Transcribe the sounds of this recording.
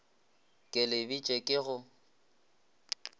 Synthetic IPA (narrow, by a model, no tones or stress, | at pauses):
kʼɪlɪbit͡ʃʼekʼɪɣʊ